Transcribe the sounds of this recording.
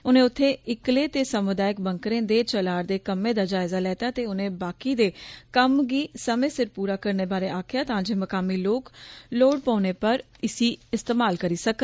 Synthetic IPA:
ʊnẽːʊt̪ʰːẽːɪkleːt̪eːsəmʊd̪aːɪk̚bəŋkɾẽːd̪eːt͡ʃəlaːɾd̪eːkəmẽːd̪aːd͡ʒaːɪzaːlɛːt̪aːt̪eːʊnẽːbaːkiːd̪eːkəmɡiːsəmẽːsɪɾpuːɾaːkəɾneːbaːɾeːaːkʰɪjaːt̪ãːd͡ʒeːməkaːmiːloːkloːɽpãːneːpəɾ | ɪsiːɪst̪eːmaːlkəɾiːsək̪

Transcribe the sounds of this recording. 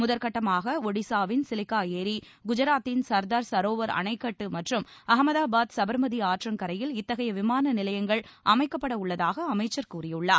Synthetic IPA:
mʊðɐɾkɐʈːɐmaːɣɐɔɽɪsaːʋɪnsɪlɪkːaːjeːɾiɡʊd͡ʒɐɾaːt̪ːɪnsɐɾd̪aːɾsɐɾoːʋɐɾɐ̰nɐɪkːɐʈːɯmɐʈrɯmɐɦɐmɐðaːbaːd̪sɐbɐɾmɐðiaːʈrɐmkɐɾɐjɪlɪt̪ːɐɣɐjɐʋɪmaːnɐnɪlɐjɐŋɡɐɭʔɐmɐɪkːɐpːɐɽɐʊɭːɐðaːɣɐːmɐɪt͡ʃːɐɾkuːrɪjɯɭːaː

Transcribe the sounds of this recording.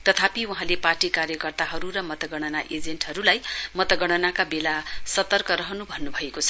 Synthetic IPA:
t̪ʌt̪ʰapiuɦãleparʈikaɾjʌkʌrt̪aɦʌɾuɾʌmʌt̪ʌɡʌɽ̃ʌnaʔed͡zeɳʈɦʌɾulajmʌt̪ʌɡʌɽ̃ʌnakabelasʌt̪ʌrkʌɾʌɦʌnubʱʌnːubʱʌekot͡sʰʌ̥

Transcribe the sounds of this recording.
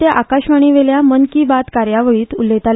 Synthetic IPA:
t̪eʔakaɕʋaɽ̃iːʋeljamənkibat̪kaɾjaʋəɭiːt̪ulːet̪al

